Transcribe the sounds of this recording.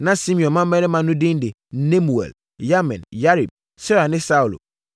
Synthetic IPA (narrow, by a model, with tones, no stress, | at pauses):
nã˨sĩ˦mĩ˨ɔ̃˨mã˦mɛ̃˦ɾɪ˦mã˨nʊ̃˦dɪ̃˦n˦de˨˦ | nẽ˦mu˨ɛ̰˨l | ja˦mɛ̰̃˨nja˦ɾi˨b̚ | sɛ˦ɾa˨nɪ̃˦sa˦u˨lo̰˨